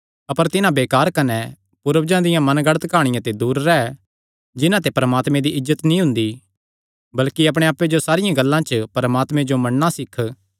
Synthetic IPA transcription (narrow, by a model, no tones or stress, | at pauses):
ɐpəɾt̪ɪnãbeːkaːɾkɐnɛ | pʊɾʋd͡ʒãd̪ɪjãmɐnɡɐɽət̪kaːɽ̃ɪ̃jãt̪ed̪uːɾːɛɛ | d͡ʒɪnãt̪̬epɐɾɐmaːt̪mẽd̪iʔɪzːət̪nĩɦʊ̃nd̪i | bɐlkiɐp̬ɽ̃ẽaːpːed͡ʒosaːɾɪjãɡɐlːãt͡ʃəpɐɾmaːt̪mẽd͡ʒomɐnːãsɪkʰ